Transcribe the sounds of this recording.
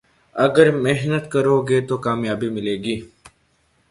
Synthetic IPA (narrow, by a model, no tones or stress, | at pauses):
ɐɡəɾmeɦnət̪kəɾoːɡeːt̪okaːmjaːbimɪleːɡiː